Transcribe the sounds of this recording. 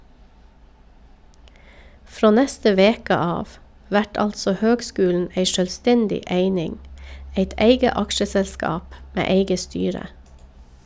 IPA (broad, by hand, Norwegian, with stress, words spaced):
ˈfɾoː ˈnɛstə ˈʋeːkə ˈɑːʋ ˈʋæʈ ˈɑltsɔ ˈhøːɡˌskʉːln̩ ˈeɪ ʃœlˈstɛndɪ ˈeɪnɪŋ ˈeɪt ˈæɪɡə ˈɑkʃəsɛlˌskɑːp ˈmeː ˈeɪɡə ˈstyːɾə